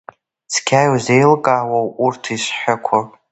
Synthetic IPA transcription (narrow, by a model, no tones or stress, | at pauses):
t͡sʰkʲʰajwzejlɡʼaːwawʔurtʰisħʷᶣʊkʷʰapʼ